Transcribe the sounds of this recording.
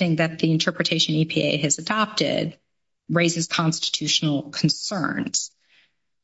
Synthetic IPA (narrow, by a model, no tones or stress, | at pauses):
ɪ̃ŋðɨt̪̚ðiɨ̃ntʰɜ˞pɹɨtʰeɪʃɨ̃nipʰiʔḛɪɨzɨdɑp̚tɪ̰d̚ | ɹeɪzɨz̥kʰɑ̃nstɨ̥tʰʉʃn̩l̩ˠkʰn̩sɜ̰̃˞nz̥